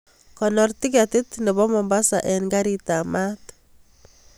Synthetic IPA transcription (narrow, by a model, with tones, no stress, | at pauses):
kɔ˨nɔ˨rti˦ka˨tɪ˦t̪nɛ˨βɔ˦mɔ˨mba˦sa̰˨ʔɛ˨nɡa˦ɾi˨ta˨ma˦t